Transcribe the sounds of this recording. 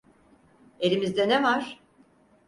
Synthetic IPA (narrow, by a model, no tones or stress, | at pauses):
e̞ɾimizd̪ɛnɛvaɾ̥